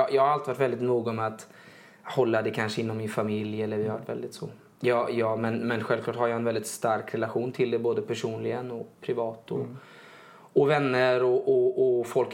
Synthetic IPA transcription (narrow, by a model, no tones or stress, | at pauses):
jɑːhaɾalt̪ɪvaʈvɛld̪ɪt̪nuːɡɔmɛat̪ | hɔlːad̪ɛkʰanʂəɪnːɔmːɪnfamɪljɛlːəɾvɪhava̰ʈːvɛ̰ld̪ɪt̪sɔ̰ | jɑːjɑːmɛnmɛnɧɛlvkʰlɑːʈhaɾjaɛnvɛld̪ɪt̪st̪aɾkɾɛlaɧuːnt̪ʰɪld̪ɛboːd̪əpʰæʂuːnlɪɡənɔpʰɾɪvɑːt̪ɔ̰ | ɔvɛnːəɾɔʔɔɔfɔlk